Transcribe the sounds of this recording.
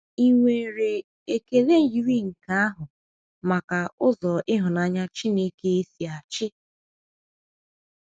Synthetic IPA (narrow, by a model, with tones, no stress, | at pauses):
i˨ŋʷe˨ɾe˨ | e˨ke˨le˦n̩˦˨ji˦ɾi˦ŋ̩˨ka˦a˦ɦʊ˨ | ma˨ka˨ʊ˦zɔ˨ʔɪ˦ɦʊ˨na˨˦ɲa˦t͡ʃi˦ne˦ke˦e˦si˨a˨t͡ʃɪ˦